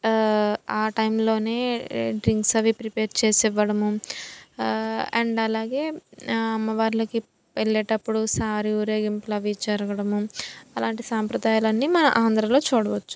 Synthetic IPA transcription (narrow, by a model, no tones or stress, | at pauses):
aːʈɐjmlo̞ːne̞ːɖɾiŋksɐʋipɾipeːɾt͡ʃeːsɛʋːɐɽɐmu | ɐɳɖɐlaːɡe̞ːɐmːɐʋaːɾlɐki | peɭːɛːʈɐpːuɽusaːɾiuːɾeːɡimplɐʋit͡ʃɐɾɐɡɐɽɐmuɐlaːɳʈisaːmpɾɐd̪aːjalɐnːimɐnɐʔaːnd̪ɾɐlo̞ːt͡ʃuːɽɐʋɐt͡ʃːu̥